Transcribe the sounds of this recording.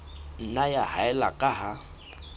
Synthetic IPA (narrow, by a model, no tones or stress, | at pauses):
n̩najahaɛla̰kʼaɦa